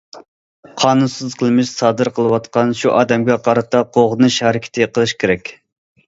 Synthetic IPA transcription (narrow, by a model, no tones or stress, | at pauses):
qʰɑːnunsɨzqʰəlˠɨmɪʃsɑːd̪ɨɾqʰəlˠɨwɑt̪qɑnʃuʔɑːd̪ɛmɡʲɛqʰɑɾɑt̪ɑqʰoʁənuʃhɛɾɪkʲʰɪ̥t̪ʰɪqʰəlˠɨʃkʲʰeɾɛkʲ